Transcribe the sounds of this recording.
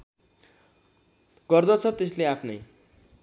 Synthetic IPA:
ɡʌrd̪ʌt͡sʰʌt̪es̬leapʰnʌ̰j

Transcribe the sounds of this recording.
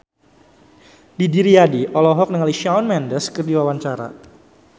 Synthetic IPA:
didiɾiadiʔɔlɔɦɔk̚nəŋaliʃawnmɛndəskərdiwawaɲt͡ʃaɾa̰

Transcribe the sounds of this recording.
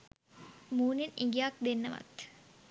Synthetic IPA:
muːniniŋɡijak̚d̪enːɐʋɐ̰t̪

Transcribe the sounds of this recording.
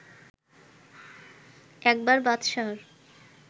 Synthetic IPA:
ɛk̚baɾbat̪ʃɔɾ

